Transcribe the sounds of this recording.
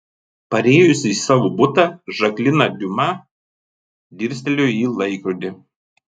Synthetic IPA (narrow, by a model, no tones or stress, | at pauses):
pɐɾʲeːjʊsʲɪisɑːʋoːbʊt̪ɑʒɐklʲɪnɐd̪ʲʊmɑ | d̪ʲɪɾʲsʲt̪ʲɛlʲʊiːlˠɐɪkɾʊd̪ʲɪ